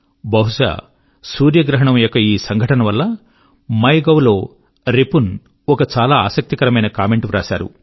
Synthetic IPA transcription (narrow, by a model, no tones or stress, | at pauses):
bɐɦuʂa̰ː | suːɾjɐɡɾɐɦɐɳɐmjɔkːɐiːsɐŋɡʱɐʈɐnɐʋɐlːɐ | mɐjɡɐwlo̞ː | ɾepun | ɔkɐt͡ʃaːlaːaːsɐk̚t̪ikɐɾɐmɐjnɐkaːme̞ɳʈuɾaːʃa̰ːɾṵ